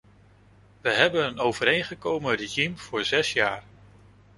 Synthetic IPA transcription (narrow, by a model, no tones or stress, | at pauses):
ʋəɦɛbənənowvəɾejnχəkowməriʒimv̥ʊːɹzɛsjaːɹ